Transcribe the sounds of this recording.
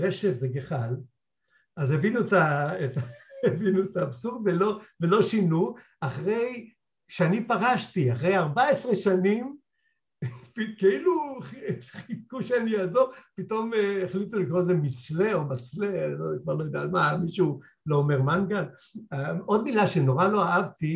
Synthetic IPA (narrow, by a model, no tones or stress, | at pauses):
ʁeʃevzeɡeχal | azevinuet̪aetaevinuet̪aːbsuʁd̪velo̞velo̞ʃinu | aχʁe̞j | ʃeanipaʁaʃtiaχʁejaʁbaesʁe̞ʃanim | pikeiluχχikuʃeaniaːzoʁpito̞meχlit̪ulikʁozemit͡sleomat͡slelokvaʁlojod̪atmamiʃu | loːmeʁmanɡal | o̞d̪̚milaʃe̞no̞ʁalo̞aavt̪i